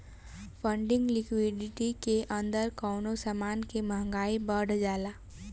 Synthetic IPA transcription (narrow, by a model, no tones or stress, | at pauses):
fʰə̃ɳɖɪ̃ŋɡlɪkwɪɖɪʈikeʔɐ̃nd̪əɾkɔːnosəmaːnkemə̃ɦŋɡaːibəːɖd͡ʒaːlaː